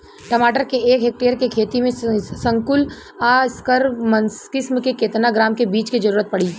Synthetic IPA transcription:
ʈɐmaːʈəɾkeeːkɦeːk̚ʈeːjəɾkekʰeːt̪imẽsɐ̃ŋkʊl | aːskəɾmɐnskɪsmkekeːt̪naɡɾaːmkebiːt͡ʃkid͡ʒɐɾuːɾət̪̚pɐɽiː

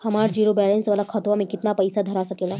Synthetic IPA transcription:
həmaɽd͡ʑiɾobɛlensʋalakʰat̪ʋamiːkit̪napəjsad̪ʱəɾasakela

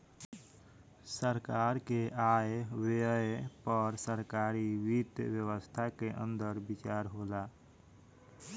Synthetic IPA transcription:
səɾkaːɾkeʔaːeweepəɾsəɾkaːɾiwit̪wjəwəst̪ʰakeʔə̰̃nd̪əɾbɪt͡ʃaːɾɦoːla

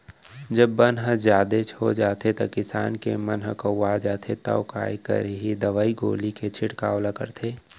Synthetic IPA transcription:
d͡ʒəbːənɦəzjaːd̪et͡ʃʰod͡ʒaːt̪ʰet̪okɪsaːnkemɐnɦəkɐaːd͡ʒaːt̪ʰet̪ɐ̰ʊka̰ːjkə̰ɾɦid̪ɐʋaːiɡo̰ːliket͡ʃʰɪʈkaːwlakə̰ɾt̪ʰeː

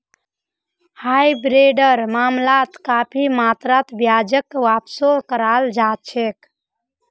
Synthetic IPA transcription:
hajbɾeɖəɾmamlat̪kapʰimat̪ɾat̪bjad͡ʒəkːʋapsokəɾald͡ʒat͡ʃʰek

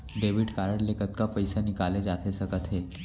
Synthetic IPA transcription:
ɖeʋiɖkaɾəɳlekət̪kapəjsanikaled͡ʑat̪ʰesəkət̪ʰɦe

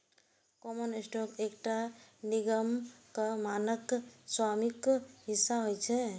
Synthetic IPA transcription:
kɔmənesʈɔːkeːkʈaniɡəmkamaːnəkswaːmikɦɪsːaɦojt͡ʃʰɛ

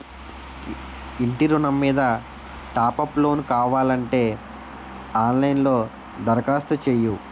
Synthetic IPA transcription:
iɳʈiɾunɐmːiːd̪ɐ | ʈaːpɐplo̞ːnkaːʋaːlɐɳʈe̞ː | aːnlɐjnlo̞ː | d̪ɐɾɐkaːst̪ɐt͡ʃeju

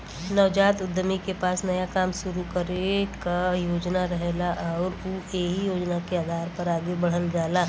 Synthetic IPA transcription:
nɐʋd͡ʒaːt̪ʊd̪ʱːəmikepaːsnɐjakaːmʃʊɾukəɾekajoːd͡ʒnaɾəɦelaʔɔːɾuːeɦijoːd͡ʒnakeaːd̪ʱaːɾpɐɾaːɡebəɽ̤əld͡ʒaːlaː

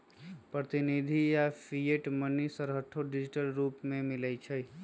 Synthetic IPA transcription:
pɾət̪ɪnid̪ʱijafʰijeʈmənisəɾɦəʈʰoɖɪd͡ʒɪʈəlɾuːpmẽmɪləjt͡ʃʰə

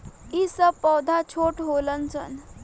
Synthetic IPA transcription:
isəpːɔwd̪ʱat͡ɕʰoʈɦolənt͡sə̰n

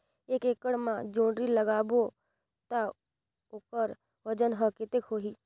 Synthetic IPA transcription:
eːkeːkəɽmãd͡ʒõːɳɖɾiləɡaːbo | t̪a | okəɾ | ʋəd͡ʒənɦəket̪ekɦoːɦiː

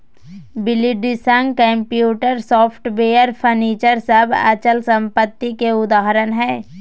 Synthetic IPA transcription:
bɪliɖisə̃ŋɡkɛ̃ːmpjuːʈəɾsɔːpʰʈbeːjəɾpʰəɾniːt͡ʃəɾsəbʱə̰t͡ʃəlsə̃mpət̪ːikeʊd̪aːɦɾənɦɛ̃ː

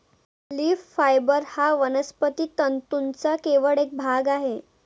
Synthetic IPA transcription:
liːffajbəɾhaʋənəspət̪iːt̪ənt̪unt͡sakeʋəɭek̚bʱaɡaɦe

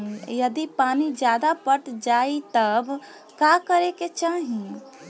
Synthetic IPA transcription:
jəd̪ipanid͡ʒjad̪apəʈd͡ʒait̪əb | kakəɾeket͡ʃaɦĩ

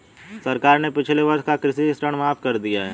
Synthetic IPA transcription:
sɐɾkaːɾnepɪt͡ʃʰleʋɐɾʃkakɾɪsisʈəɽ̃maːfkɐɾd̪ijaɦɛ̰ː

